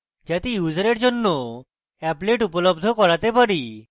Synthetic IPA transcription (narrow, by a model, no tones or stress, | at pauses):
d͡ʑat̪ijud͡ʑɾeɽd͡ʑonːɔ | ɛpleʈupɔlɔbd̪ʱɔkɔɾat̪epaɽi